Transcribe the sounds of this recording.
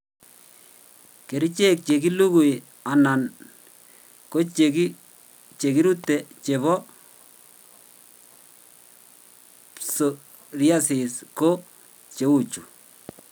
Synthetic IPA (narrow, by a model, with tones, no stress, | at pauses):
ke˨ɾi˦t͡ʃe˦k̚t͡ʃe˨ki˦lu˦ku˨j | a˨na˨n | ko˦t͡ʃeki˦ | t͡ʃe˨ki˦ɾu˦te˨t͡ʃe˨βɔ˦ | so | rja˦sɪ˨sko˦ | t͡ʃe˨u˦t͡ʃu˨